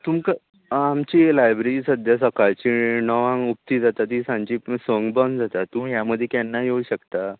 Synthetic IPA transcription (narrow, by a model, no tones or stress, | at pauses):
t̪umkə | amt͡ɕilajbɾeɾiːsəd̪ʱjas̬əkaɭt͡ɕinɔʋãŋup̚t̪iːd͡zat̪at̪iːsãɲt͡ɕisʋəŋɡbənd͡zat̪at̪ũmjaməd̪ʱjekɛnːajeuɕəkt̪a